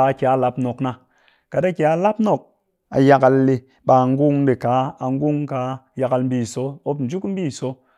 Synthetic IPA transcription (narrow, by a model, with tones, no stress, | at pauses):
kʲa˨a˦˨la˧pno˨kna˨ | ka˨da˦kʲa˨a˦˧la˦p̚no˨k̚ | a̰˨ja˧ka˧lːe˧ | ɓa˨ŋ˦ɡu˦ŋ˦be˨ka˨˦a˨ŋ˦ɡu˦ŋka˨˦ja˧ka˧lm̩˦bi˦˨so˨˦o˦pn̩˨d͡ʒu˦km̩˦bi˦˨so˦